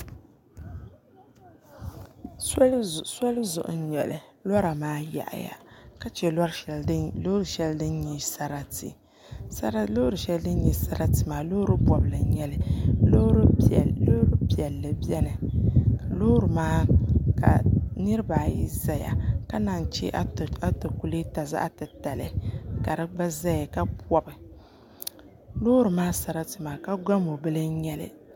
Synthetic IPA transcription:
sa˦lzʊ˨ʔʊ̰˨˦ɲɛ˨lɨ̰˨lɔ˦ɾa˨maː˦ja̰˨ʔja̰˨ka˦t͡ʃɛ˨la˦ɾlo˦ɾɨ˨ʃɛ˦ldɨ˦nɲi˨sa˨ɾa˨tḭ˨ | sa˦ɾa˦lo˦ɾɨ˨ʃɛ˦ldɨ˦nɲi˨sa˦ɾa˦tɨ˨maː˨lo˦ɾɨ˦bɔ˨bɨ˨lɨ˨ɲɛ˦lɨ˦lo˦ɾlo˦ɾɨ˦bi˨ɛ˨lːɨ˨bɛ˦nɨ˨ | lo˦ɾɨ˨maː˦ka̰˨nɨ˦ɾɨ˦baː˨ji˦za˦ja̰˨ka˦na˨ŋ˨t͡ʃɛ̰˦ʔa˦to˨ku˨li˦ta˨za̰˦ʔa̰˦tɨ˨ta˨lɨ˨ka˨ɾɨ˦ɡ͡ba˦za˦ja˨ka˦bɔ˦bɨ˨ | lo˦ɾɨ˨maː˦sa˨ɾa˦tɨ˨maː˨ka˦ɡa˦mo˨bɨ˦lɨ˦ɲɛ˦lɨ̰˨

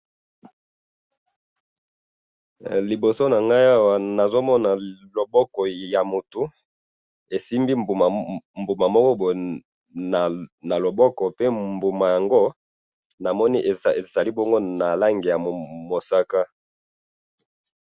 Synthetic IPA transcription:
li˨bo˨so˦na˨ŋɡa˦ja˦wa˨na˨zo˦mɔ˦na˨lo˨bɔ˦kɔ˨ja˨mo˨tu˨ | e˨si˦mbi˦bmbu˨ma˨mɔ˦kɔ˦bo˨ | na˨na˨lo˨bɔ˦kɔ˨pe˦mbu˨ma˨ja˨ŋɡo˦ | na˨mɔ˦ni˦ʔe˨za˨li˦bo˦ŋɡo˦na˨la˦ŋɡe˨ja˨mo˨sa˦ka˦

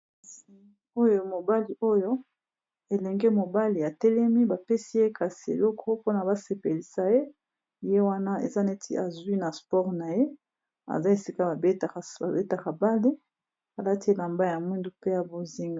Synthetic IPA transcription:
si˨˦o˦jo˦mo˨ba˦li˨o˦jo˦ | e˨lɛ˨ŋɡɛ˦mo˨ba˦li˨a˨tɛ˦lɛ˦mi˦ba˨pe˦si˦je˦ka˨si˨ḛ˨lɔ˦kʰɔ˦po˦na˨ba˦se˨pe˨li˨sa˦je˦˨ | je˦wa˦na˦ḛ˨za˦ne˦tʰḭ˦a˨zwi˦na˨spɔ˦ʁna˨je˦ | a̰˨za˦e˨si˦ka˦ba˨be˦ta˨ba˨be˦ta˨ka˨ba˦li˦ | a˨la˦ti˦e˦la˨mba˦ja˨mwi˦ndu˦pe˦ja˨bo˦zi˦ŋɡa˨

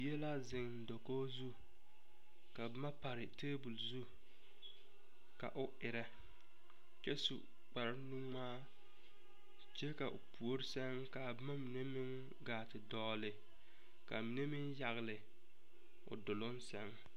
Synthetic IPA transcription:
jɛ˦la˦zɪ˨ŋn̩˨do˨koː˦zu˦ | ka˨bɪ˦ma˦pa˨ɾɪ˨teː˦bu˨lzu˦ | ka̰˨ʔʊ˦ʔɪ˨ɾɛ˦ | t͡ʃɛ˦sṵ˨ | k͡pa˨ɾnu˦maː˦ | t͡ʃe˦ka˨ʔʊ̰˨pʰu˨o˦ɾɪ˦sɛ˦ŋka˨bɪ˦ma˦mi˨ne˦mɪ˦ŋ | ɡaː˨tɪ˨dɔː˦lɪ˨ | ka̰˨mi˨ne˦mɪ˦nja˨ɣlɪ˨ | ʊ̰˨dʊ˨lʊ˦nsɛ˦ŋ

